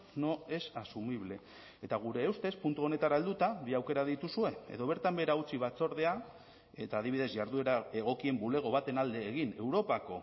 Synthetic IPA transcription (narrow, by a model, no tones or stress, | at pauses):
no̞e̞sasumiβle̞ | et̪aɣ̞uɾe̞ːwst̪e̞spunt̪uo̞ne̞t̪aɾaeld̪ut̪aβiawke̞ɾaðit̪usue̞e̞̰ðo̞β̞e̞ɾt̪ambe̞ɾaut͡siβat͡so̞ɾð̞e̞a | et̪aːð̞iβ̞iðe̞zʝaɾðueɾae̞ɣ̞o̞kie̞mbule̞ɣ̞o̞β̞at̪e̞nald̪e̞ːɣine̞wɾo̞pako̞̰